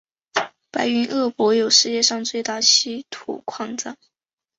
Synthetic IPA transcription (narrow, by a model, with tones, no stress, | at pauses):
pa˧˥ɪy˧˥nʔɤ˥˩pwɔ˧˥jo˨˩ʊʂɻ̩˥˧t͡ɕjɛ˥˧ʂɑ˥˧ŋt͡swe˥˧ɪt̪a˥˩ɕʰi˥t̪ʰṵ˨˩kʰwɑ˥˧ŋt͡sa˥˩